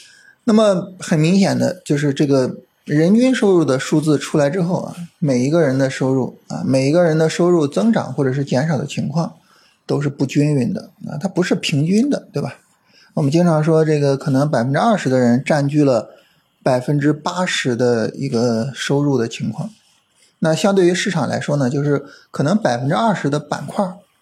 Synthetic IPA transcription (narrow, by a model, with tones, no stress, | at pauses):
na˥˩mə˩xə˨˩nmi˧˥ŋɕjɛ˨˩nd̪ə̰˦t͡ɕjo˥˧ʊʂ̬ɻ̩˥˧ʈ͡ʂɤ˥˩ɡə˩ | ɻə˧˥nt͡ɕy˥nʂo˥ʊɻu˥˩d̪ə˩ʂu˥˧t͡sɹ̩˥˩ʈ͡ʂʰu˥la˧˥ɪ̯ʈ͡ʂɻ̩˥xo˥˩ʊɐ̰˩me˨˩ɪi˧˥ɡə˧ɻə˧˥nd̪ə˧ʂo˥ʊɻu˥˩ɐ̰˧me˨˩ɪi˧˥ɡə˧ɻə˧˥nd̪ə˧ʂo˥ʊɻu˥˩t͡sɤ˥ŋʈ͡ʂɑ̰˨˩ŋxwɔ˥˩ʈ͡ʂɤ˨˩ʂɻ̩˥˩t͡ɕjɛ˧˥nʂɑ˨˩ʊd̪ə̰˦t͡ɕʰi˧˥ŋkʰwɑ˥˩ŋ | t̪o˥ʊʂ̬ɻ̩˥˧pu˥˩t͡ɕy˥ny˧˥nd̪ə̰˧a̰˥˧t̪ʰa˥pu˧˥ʂɻ̩˥˩pʰi˧˥ŋt͡ɕy˥nd̪ə˨t̪we˥˩ɪba˩ | wɔ˨˩mə˦nt͡ɕi˥ŋʈ͡ʂʰɑ˧˥ŋʂwɔ˥ʈ͡ʂɤ˥˩ɡə˩kʰɤ˨˩nɤ˧˥ŋp̬a˨˩ɪfə˥nʈ͡ʂɻ̩˥a˥˩ʂɻ̩˧˥d̪ə˧ɻə˧˥nʈ͡ʂa˥˧nt͡ɕy˥˩lə˩ | pa˨˩ɪfə˥nʈ͡ʂɻ̩˥pa˥ʂɻ̩˧˥d̪ə˧ḭ˧˥ɡə˧ʂo˥ʊɻu˥˩d̪ə˩t͡ɕʰi˧˥ŋkʰwɑ̰˥˩ŋ | na˥˧ɕjɑ˥˧ŋt̪we˥˩y˧˥ʂɻ̩˥˩ʈ͡ʂʰɑ˨˩ŋlʔa̰˧˥ɪʂwɔ˥nə˨t͡ɕjo˥˧ʊʂɻ̩˥˩kʰɤ˨˩nɤ˧˥ŋpa˨˩ɪfə˥nʈ͡ʂɻ̩˥a˥˩ʂɻ̩˧˥d̪ə˧pa̰˨˩nkʰwa˥˩